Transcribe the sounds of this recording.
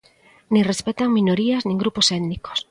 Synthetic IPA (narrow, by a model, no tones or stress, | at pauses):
nĩŋrespet̪aŋmĩnoɾiaznĩŋɡɾuposɛðniko̥s